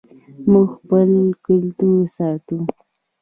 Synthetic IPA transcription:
muɡxpəlkʊlt̪uɾsɑt̪u

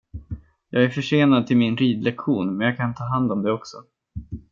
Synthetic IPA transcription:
jɑːɡæɾfœʂeːnad̪̚t̪ʰɪlmɪnɾiːd̪lɛkɧuːnmɛnjɑːɡkʰant̪ʰɑːɦand̪ɔmd̪ɛɔksɔ

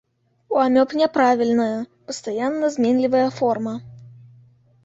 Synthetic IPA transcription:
uamʲɔpnʲɛpɾavʲilʲnəjɐpəst̪ajanːɐzmʲɛnʲlʲivəjɐfɔrmɐ

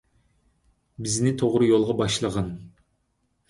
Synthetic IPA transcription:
bɪznɪt̪ʰoʁɾɨjolˠʁɑbɑʃlˠəʁɑn

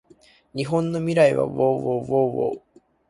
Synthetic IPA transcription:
ɲ̟iɦõ̞nːo̞mʲiɾaiβa̰βoːβoːβoːβo̰ː

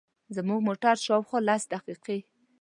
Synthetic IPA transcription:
zəmuɡmoʈaɾʃɑwxolasd̪aqiqe

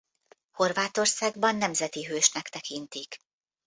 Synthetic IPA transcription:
ho̞rvaːt̪o̞rsaːɡbɒnːɛmzɛt̪iɦøːʃnɛkt̪ɛkint̪ik

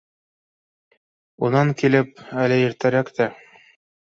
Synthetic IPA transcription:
unɑŋkilɘp̚ælɘjĭɾt̪ɘɾækt̪æ

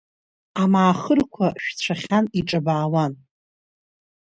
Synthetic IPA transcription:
amaːχərkʷʰaʃᶣt͡sʷʰaχʲaniʈ͡ʂʼɨbaːwan

